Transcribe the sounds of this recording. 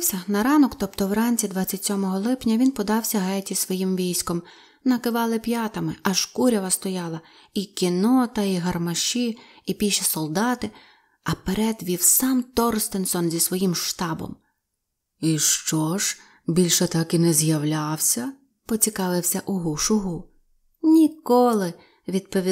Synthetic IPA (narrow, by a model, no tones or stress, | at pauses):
wsʲɐnɐɾɑnɔkt̪ɔpt̪ɔwrɑnʲt͡sʲid̪ʋɑt͡sʲːɐtʲsʲɔmɔɦɔlˠɪpnʲɐʋʲinpɔd̪ɑwsʲɐɦɛtʲisʋɔjimʋʲijsʲkɔm | nɐkɪʋɑlˠɪpjɑt̪ɐmɪʔɐʃkuɾʲɐʋɐst̪ɔjɑlˠɐ | ikʲinɔt̪ɐiɦɐrmɐʃiːpʲiʃɐsɔlˠd̪ɑt̪ɪ | ɐpeɾɛd̪ʋʲiwsɑmt̪ɔrst̪ensɔnzʲisʋɔjimʃt̪ɑbɔ̰m | iʃt͡ʃɔʒ̥ | bʲilʲʃɛt̪ɑkinɛzjɐwlʲɑwsʲɐ | pɔt͡sʲikɑʋɪwsʲɐʔʊɦuʃʊɦu | nʲikɔlˠɪ | ʋʲid̪̚pɔʋʲi